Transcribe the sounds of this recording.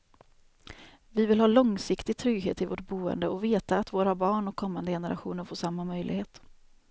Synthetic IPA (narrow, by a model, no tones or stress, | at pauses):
vɪvɪlhɑːlɔŋsɪkt̪ɪɡ̚t̪ʰɾʏɡɦḛːt̪ɪvo̰ʈ̚buːə̰nd̪əɔveːt̪aːt̪voːɾabɑːɳɔkʰːɔmːand̪əjɛnəɾa̰ɧṵːnəɾfoːʂamːamœjlɪ̰ɡheːt̪